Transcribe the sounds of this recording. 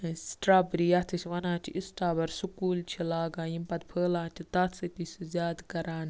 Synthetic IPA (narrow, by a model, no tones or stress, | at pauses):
sʈɾaːbɾijat̪ʰɨsʋɐnãːt͡ʃʰḭʔisʈaːbɐɾsukuːlt͡ʃʰilaːɡaːjimpɐt̪pʰəːlãːt͡ʃʰit̪asɨt̪isʲɨzʲaːd̪kɐɾaːn